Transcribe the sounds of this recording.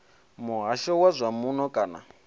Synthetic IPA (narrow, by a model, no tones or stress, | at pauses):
muɦaʃɔwazʷamunɔkʼaːna̰